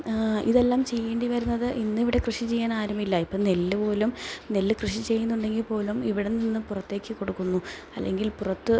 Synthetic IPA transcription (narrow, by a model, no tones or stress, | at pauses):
iðe̞lːaːmt͡ɕe̞jːeːɳɖiʋɐɾunːɐðɨʔinːɨiʋiɽe̞krɨʂit͡ɕe̞jːaːnaːɾɐmilːɐipːoːnelːɨpo̞ːlumnelːɨkrɨʂit͡ɕe̞jːunːuɳɖe̞ŋɡilpo̞ːlumiʋiɽeninːɨpurɐt̪ːe̞ːkʲːɨko̞ɽukːunːu | ɐ̰lːeŋɡilpurɐt̪ːɨ